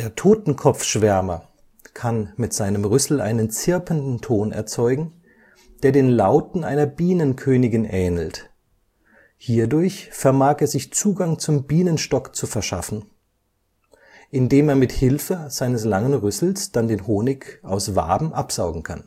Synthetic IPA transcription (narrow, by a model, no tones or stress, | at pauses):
d̥eːɐtʰoːtn̩kʰɔp͡fʃv̥ɛɐmɐ̰ | kʰanmɪtz̥aɪnəmʁʏsl̩ʔa̰ɪnənt͡sɪɐpʰəndn̩tʰoːnɛ̰ɐt͡sɔʏɡŋ̩ | d̥eːɐdeːnlaʊtn̩ʔaɪnɐbiːnənkʰøːnɪɡɪnʔɛːnl̩t | hiːɐdʊɐçfɛɐmaːkeːɐzɪçt͡suːɡaŋt͡sʊmbiːnənʃtɔkt͡sufɛɐʃa̰fn̩ | ʔɪndeːmeːɐmɪthɪlfəz̥aɪnəslaŋənʁʏsl̩sd̥andeːnhoːnɪkʔaʊsv̥a̰ːbm̩ʔapz̥aʊɡŋ̩kʰa̰n